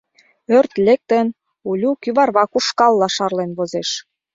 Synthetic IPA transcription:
ørt̪lʲek̚t̪ə̆n | ulʲukyβɑrβɑkuʃkɑlːɑʃɑrlenβozeʃ

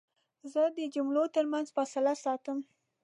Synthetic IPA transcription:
zəd̪əd͡ʒʊmɽot̪əɾmanzfɑsɪlasɑt̪əm

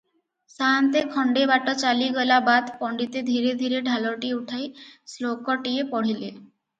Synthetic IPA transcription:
sant̪ekʰɔɳɖebaʈɔt͡ɕaliɡɔlabad̪pɔɳɖit̪ed̪ʱiɾed̪ʱiɾeɖʱaloʈiuʈʰajslokɔʈiepɔɽ̤ile

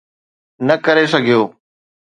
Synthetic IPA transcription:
nɐkɐɾesɐɡʱijoː

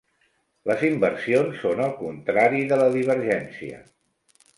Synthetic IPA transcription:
ləzimbəɾsionsːonəlˠkunt̪ɾaɾiðələðiβ̞əɾʒɛnsiə̰

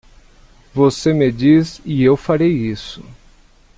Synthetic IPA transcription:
vosemed͡ʒizɪewfaɾejisʊ

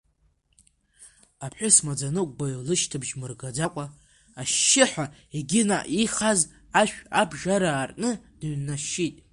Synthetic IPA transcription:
apʰħʷʊsmad͡zanɨkʷʼɡalɨʃtʰɨbʒmɨrɡad͡zakʷʼaː | ʃːɪħʷaeɡʲɪna̰ʔiχaz | aʃᶣabʐaɾaːrnɨd̥ɥnːaʃːitʼ

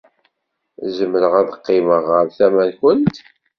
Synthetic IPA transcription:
zəmːəɾəʁæðəqːɪməʁːəɾθæmænçənt̪

